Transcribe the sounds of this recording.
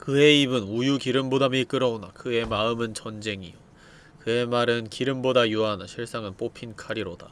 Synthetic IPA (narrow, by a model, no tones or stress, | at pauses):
kɯe̞ibɯnujukiɾɯmbodamik͈ɯɾʌonakɯe̞maɯmɯnt͡ɕʌnd͡ʑe̞ŋio | kɯe̞maɾɯnkiɾɯmbodajuanaɕʰiɭs͈aŋɯnp͈opʰinkʰaɾiɾoda